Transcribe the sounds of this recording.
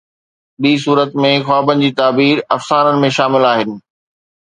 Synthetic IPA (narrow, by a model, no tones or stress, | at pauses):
ɓiːs̬uːɾət̪mẽxwaːbənɪ̆d͡ʑiːt̪aːbiːɾɐfsaːɾənɪ̆mẽʃaːmɪlaːɦɪnɪ̆